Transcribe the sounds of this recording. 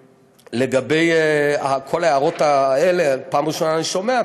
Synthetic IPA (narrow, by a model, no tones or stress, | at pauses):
le̞ɡabe̞jakʰo̞laeaʁo̞taelepaːmʁiʃo̞naːniʃo̞me̞a